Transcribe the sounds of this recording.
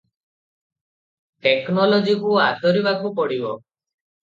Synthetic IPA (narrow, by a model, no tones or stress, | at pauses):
ʈeknɔlɔd͡ʒikuat̪ɔɾibakupɔɽibɔ